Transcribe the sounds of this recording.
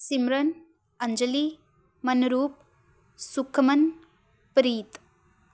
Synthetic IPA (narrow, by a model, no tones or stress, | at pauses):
simɾɐn | ɐnd͡ʒɐli | mɐnuɾuːp̚ | sukʰːɐmɐn | pɾit̪